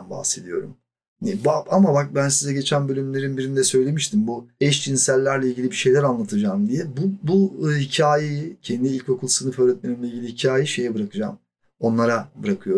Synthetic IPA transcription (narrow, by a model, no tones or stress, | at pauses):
nba̰hse̞d̪ijo̞̰ɾṵm | ɛbaamabak̚bænsizɛɟe̞t͡ʃʰænbø̞lʲymlʲe̞ɾinbiɾind̪ɛsø̞jlʲe̞miʃt̪ʰimbuɛʃt͡ʃʰinsælʲːæɾlʲɛilʲɟilʲibiʃe̞jlʲæɾanlˠat̪ʰɯd͡ʒaːmd̪ijɛbubuhicʰaːjejicʰɛnd̪iilʲco̞kʰulˠsɯnɯfø̞ːɾɛt̪̚meɾimlʲɛilʲɟilʲihicʰaːjiʃe̞jɛbɯɾakʰɯd͡ʒa̰ːm | o̞nlˠaɾabɯɾakʰɯjo̞ɾ